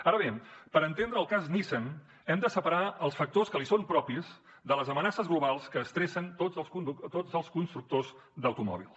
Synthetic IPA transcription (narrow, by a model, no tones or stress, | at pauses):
aɾəβ̞epəɾənt̪end̪ɾəːlˠkaznisən | ɛmd̪əsəpəɾaəlˠsfək̚t̪oskəlisompɾɔpiz | d̪ələzəmənasəzɣluβ̞alˠskəːst̪ɾɛsənt̪od͡zəlˠskund̪ut̪od͡zəlˠskunst̪ɾuk̚t̪oz | d̪əwt̪umɔ̰βḭlˠ